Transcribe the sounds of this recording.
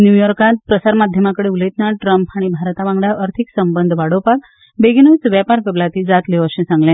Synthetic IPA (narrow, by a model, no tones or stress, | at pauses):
njujɔɾkat̪̚pɾəsaɾmad̪ʱjəmakəɽeulet̪naʈɾəmpʰaɽ̃ibʱaɾt̪aʋãŋɡɽaʔəɾt̪ʰiksəmbənd̪ʱʋaɽopak̚ | beɡinot͡sʋjapaɾkəblat̪ʰid͡zat̪leʋəʃɛ̃sãŋɡlẽ